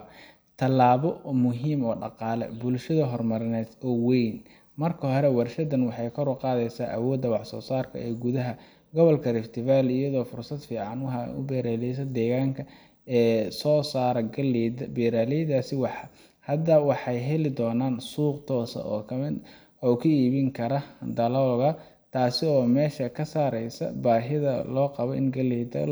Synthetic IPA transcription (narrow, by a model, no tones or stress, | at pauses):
t̪ʰɐlːaːβɔmʊɦiːmɔːɖɑ̰qɑːlɛ̰bʊlʃɐðɐɦɔrmɐɾɪnɛːd̪ɔːwɛjn | mɐrkʰɐɦɔɾɛwɑrʃɐd̪ɐnwɑħɑjkʰɔɾʊqɑːðɛjsaːʔɐwɔːd̪ːɐwɑħsɔːsaːrkʰɐ̰ɛːɡʊðɐɦɐ | ɡɔβɔlkʰɐrɪft̪ʰɪβaːlɪjɐðɔːfʊrsɐd̪fiːʕɑnwɦɑʊ̰bɛːɾaːlɛjsɐd̪ɛːɣaːŋkʰɐ | ɛːsɔːsaːɾɐɐlbɛːɾaːlɛjd̪aːsɪwɑħɑ | hɐd̪ɐwɑħɑjɦɛlɪd̪ɔːnaːnsuːqt̪ʰɔːsɐ̰ɔːkʰɐmɪ | ɔːkʰɐiːβɪŋkʰɐɾɐd̪ɐlɔɣɐ | t̪ʰaːsɪɔːmɛːʃɐkʰɐsaːɾɛjsɐ̰baːɦɪðɐ̰lɔːqɑβɔɪ̰nɡɐlɛjd̪ɐ̰